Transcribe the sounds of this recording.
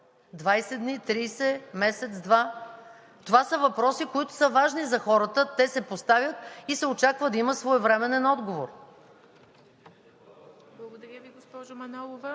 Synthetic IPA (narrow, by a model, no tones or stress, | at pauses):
d̪vajsɛd̪nit̪ɾiːsɛmɛsɛt̪sd̪va | t̪ovasəvɐpɾɔsikoit̪ʊ̥səvaʒnizɐxɔɾət̪ət̪ɛsɛpost̪avʲjət̪isɛot͡ʃakvəd̪ɐimət̪svoɛvɾɛmɛnɛnɔd̪ɡovoɾ | blˠɐɡod̪ɐɾʲjəviɡospɔʒomɐnɔlˠovɐ